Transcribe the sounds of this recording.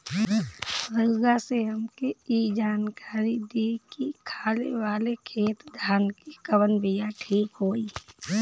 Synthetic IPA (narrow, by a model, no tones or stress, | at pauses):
ɾəːɡaseɦəmkeid͡ʒaːnkaːɾid̪ikikʰaːlḛʋaːlekʰeːt̪d̪ʱaːnkikəʋənbijaʈʰiːkɦoːiː